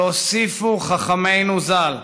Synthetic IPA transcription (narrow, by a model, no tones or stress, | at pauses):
osifuχaχame̞jnuzal